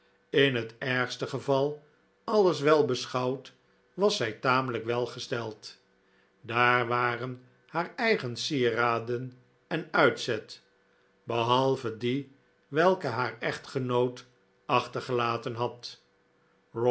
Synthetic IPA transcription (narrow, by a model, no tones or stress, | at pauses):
ɪnɦətɛɹχstəχəvɑlˠ | ɑləsʋɛlˠbəsχɑwt | ʋɑsɛjtaːmələkʋɛlˠχəstɛlˠt | daːɹʋaːrən | haːɹɛjχənsiraːdən | ɛnœɥtsɛt | bəɦɑlˠvədi | ʋɛlˠkəɦaːɹɛχtχənowt | ɑχtəɹχəlaːtənɦɑt | r